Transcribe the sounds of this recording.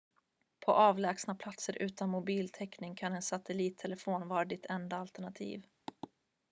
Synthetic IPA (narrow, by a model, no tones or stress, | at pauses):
pʰɔʔɑːvlɛːksnapʰlat̪səɾʔʉ̟ːt̪anmʊbiːlt̪ʰɛknɪŋkʰanɛnsat̪ɛliːt̪ʰːɛlɛfoːnvɑːɾad̪ɪt̪ʰɛnd̪aalt̪əɳat̪ʰḭːv